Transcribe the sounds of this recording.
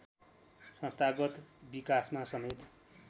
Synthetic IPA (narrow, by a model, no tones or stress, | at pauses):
sʌ̃st̪ʰaɡʌt̪bikasmasʌmet̪